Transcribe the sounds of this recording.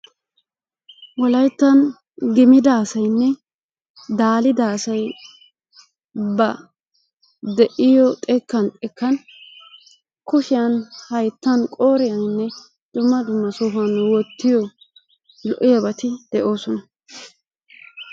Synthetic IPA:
wɔlɐjt̪ːɐn | ɡɪmɪd̪ɐːsɐjnːɛ | d̪aːlɪd̪aːsɐj | bɐ | d̪ɛʔɪjɔt̪ʼɛkːɐnt̪ʼɛkːɐn | kʊʃɪjɐnhɐjt̪ːɐnkʼo̞ːɾɪjɐnnːɛ | d̪̥ʊmːɐd̪ʊmːɐsɔfɐnwɔt̪ːɪjɔ | lɔʔɪjɐbɐt̪ɪd̪̥ɛʔo̞ːsɔnɐ

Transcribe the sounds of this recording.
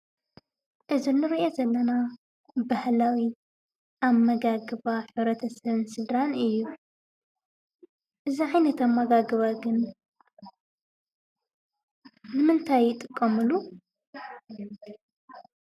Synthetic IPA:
ʔɨzinːɨɾiʔozɐlːɐna | bahlawi | ʔaβmːɐɡaɡɨβaħɨβɾɐt̪ʰɐsɐβɨnsɨlɾanɨjːu | ʔɨziʕajnɐt̪amːɐɡaɡɨβaɡɨn | nɨmɨnt̪ʰajːɪt̪ʼɨkʼːɐmɨlu

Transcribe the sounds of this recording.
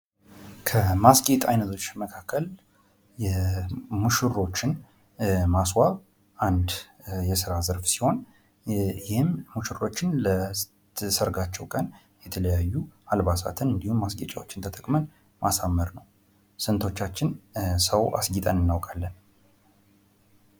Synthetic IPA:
kʰəmasɡʼet̪ʼa̰jnət̪ʰo̞t͡ʃːməkʰakʰːəl | jɛmuʃɨɾo̞t͡ʃːɪn | maswaβ | ʔand̪jɛsɨɾazəɾfsi̥ho̞n | jɪhɪmːuʃɨro̞t͡ʃːɪnlə | səɾɡat͡ʃːɛwkʼən | jɛt̪ʰələjajːualβasa̰t̪ʰɨnɨnd̪ihumːasɡʼet͡ʃʼawot͡ʃːɪnt̪ʰət̪ʼəkʼmən | mʔasamːəɾnəw | sɨnt̪ʰo̞t͡ʃːat͡ʃːɪnsəwʔa̰sɡit̪ʼənɨnːawkʼalːən

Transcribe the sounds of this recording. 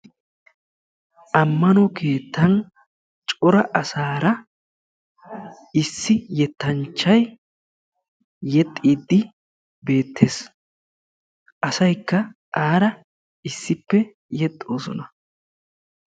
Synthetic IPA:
ʔɐmːɐnɔkʰe̞ːt̪ːɐn | t͡ʃʼɔɾɐʔɐsaːɾɐ | ɪsːɪjɛt̪ːɐnt͡ʃːɐj | jɛt̪ʼːiːd̪ːɪ | be̞ːt̪ʰːe̞ːs | ʔɐsɐjkːɐʔaːɾɐ | ɪsːɪpːɛ | jɛt̪ʼːo̞ːsɔ̰nɐ

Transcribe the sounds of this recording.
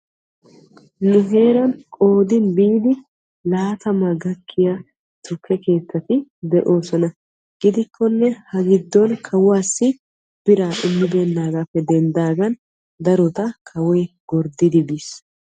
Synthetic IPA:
nʊɦe̞ːɾɐnkʼo̞ːd̪ɪnbiːd̪ɪ | laːt̪ɐmɐɡɐkʰːɪja | t̪ʊkːɛke̞ːt͡sːɐt̪ɪd̪ɛʔo̞ːsɔnɐ | ɡ̥ɪd̪ɪkʰːɔnːɛhɐɡɪd̪ːɔnkʰɐwaːsːɪ | b̥ɪɾaːʔʊmːɪbeːnːaːɡapːɛd̪ɛnd̪aːɡɐn | d̪ɐɾɔt̪ɐkʰɐwɔjɡɔɾd̪ɪd̪ɪbis

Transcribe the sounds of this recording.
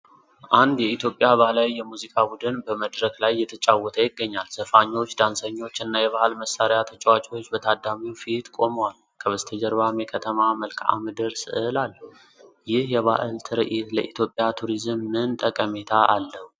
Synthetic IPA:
ʔand̪jɛit̪jo̞pʼjaβahlajːɛmuzikʼabud̪ɨnbəməd̪ɾəklajːɛt̪ʰət͡ʃʼawːɔt̪ʰəjɪɡːəɲːalsəfaɲːo̞t͡ʃːd̪ansəɲːo̞t͡ʃːɨnːajɛβahɨlməsːaɾjat̪ʰət͡ʃʼɛwat͡ʃʼewot͡ʃːbət̪ʰad̪ːamiwfit̪kʼo̞məwal | kʰəβəst̪ʰəd͡ʒəɾbamekʰət̪ʰəmaməlkʰa̰mɨd̪ɨɾsɨ̰ʔɨlal | jɪhjɛβaʔɨlt̪ʰɨɾəʔit̪ləʔit̪ʰjo̞pʼjat̪ʰuɾizɨmːɨnt̪ʼəkʼəme̞t̪ʰaʔalːəhu

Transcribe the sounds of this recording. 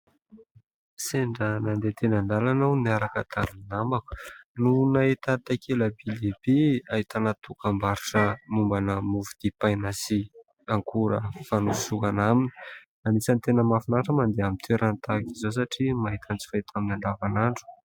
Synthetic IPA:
seɳɖ͡ʐənand̪et̪enand̪alanawniaɾakət̪ʰamninamaku̥nunaet̪at̪akʰeləbilebiaɦit̪anat̪ukambaɾiʈ͡ʂəmumbanəmuvud̪̥ipajnasi | aŋkʰuɾə̰fanusukanamini̥ | anisant̪enəmafinaʈ͡ʂəmand̪eamint̪ʰeɾant̪akizos̬aʈ͡ʂimaɦit̪ʰant͡si̥faet̪ʰaminaɳɖ͡ʐavanaɳɖ͡ʐu̥

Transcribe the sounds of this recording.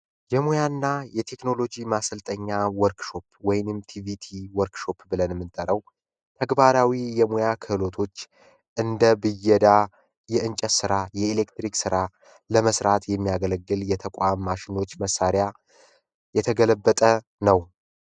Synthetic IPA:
jɛmojanːajɛt̪ʰe̞kno̞lo̞d͡ʒimasəlt̪ʼəɲːawɔɾkʃo̞pwɔjnɨmt̪ʰivit̪ʰiwɔɾkʃo̞pbɨlənmːɨnt̪ʼəɾəw | t̪ʰəɡbaɾawijɛmojakʰɨhɨlo̞t̪ʰo̞t͡ʃː | ʔɨnd̪əbɨjɛd̪a | jɛɨnt͡ʃʼəsɨɾajɛele̞kt̪ɾiksɨɾa | ləməsɾat̪jɛmːijaɡələɡːɨljɛt̪ʰəkʼʷamːaʃɪno̞t͡ʃːməsːaɾja | jɛt̪ʰəɡələbːət̪ʼə | nəw

